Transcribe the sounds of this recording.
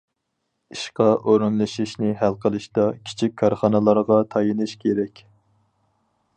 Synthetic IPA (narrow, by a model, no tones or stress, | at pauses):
iʃqɑʔoɾunlˠɨʃiʃnɪɦælˠqʰəlˠɨʃt̪ɑkʲʰi̥t͡ʃʰik̚ʲʰːɑɾχɑnɨlˠɑɾʁɑt̪ʰɑjinɨʃkʲʰeɾɛkʲ